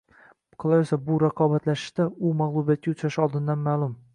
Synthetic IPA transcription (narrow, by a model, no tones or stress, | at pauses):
qʰɨlˠajʊsabʊɾaqʰɒbat̪laʃɪ̥ʃt̪aʊmaʁlˠubijat̪̚kʲaʊt͡ʃʰɾaʃɒlˠd̪ɪnd̪anmaːlˠʊm